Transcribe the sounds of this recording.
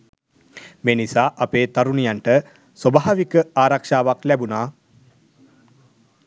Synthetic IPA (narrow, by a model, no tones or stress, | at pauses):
meːnisaːʔɐpeːt̪aɾunijaɳʈə | sobaɦaʋikəaːɾakʂaːʋaklɛbunaː